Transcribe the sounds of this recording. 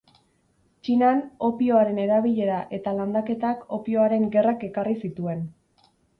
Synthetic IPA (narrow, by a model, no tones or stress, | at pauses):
t͡ʃinano̞pio̞aɾe̞ne̞ɾaβiʎe̞ɾaʔe̞t̪aland̪ake̞t̪ako̞pio̞aɾe̞ŋɡe̞rake̞karisit̪ue̞n